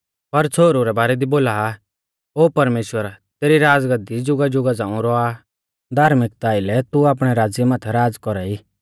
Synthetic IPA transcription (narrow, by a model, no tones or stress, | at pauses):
pɐɾt͡sʰoːɾuɾɛbaːɾɛd̪iboːlaːa | oːpɐɾmeːʃwəɾat̪eːɾiɾaːd͡zɡəd̪id͡ʒʊɡad͡ʒʊɡad͡zãːũɾɔa | d̪ʱaːɾmɪk̚t̪aːɪlɛt̪uaːp̬ɽ̃ɛɾaːd͡zjəmaːt̪ʰɛɾaːd͡zkɔɾaiː